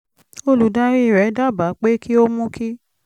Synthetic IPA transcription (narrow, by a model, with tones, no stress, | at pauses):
o˦lu˨˦dã˦ɾĩ˦i˨ɾɛ˨˦da˦˨ba˨˦k͡pe˦kʰi˦o˦mũ˦kʰi˦